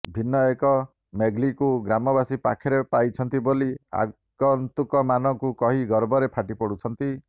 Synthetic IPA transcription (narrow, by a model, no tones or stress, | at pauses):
bʱinːɔekɔ | meɡlikuɡɾamɔbasipa̰kʰeɾepajt͡ʃʰɔnt̪ibolia̰ | ɡɔnt̪ukɔmanɔŋkukɔɦiɡɔɾbɔɾepʰaʈipɔɽut͡ʃʰɔnt̪i